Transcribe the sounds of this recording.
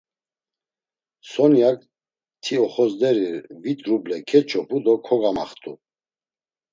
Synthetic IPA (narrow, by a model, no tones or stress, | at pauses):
sɔnjak | t̪ʰiɔχɔzd̪ɛɾivit̪ʰʼɾublɛkʰɛt͡ʃʰɔpʰʼud̪ɔkʰɔɡama̰χt̪ʰʼu